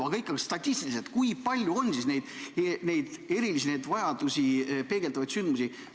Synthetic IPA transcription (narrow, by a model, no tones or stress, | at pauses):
ɑɡɑikːˑɑɡest̪ɑt̪ʲːist̪iliset̪kujpɑlʲjuo̞nsisne̞jd̪̥ene̞jd̪̥e̞ɾilisinejd̪̥vɑjɑd̪usipe̞ɡ̥e̞lt̪ɑvɑjdt̪synd̪musi